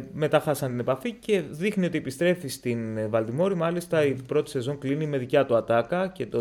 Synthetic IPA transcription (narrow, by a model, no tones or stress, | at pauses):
me̞t̪ɐxɐsɐnt̪ine̞pɐfice̞ðixnio̞t̪iepist̪ɾe̞fist̪invɐld̪imo̞ɾimɐlist̪ɐipɾo̞t̪i̥se̞zo̞ŋklinime̞ðicɐt̪uɐt̪ɐkɐce̞t̪o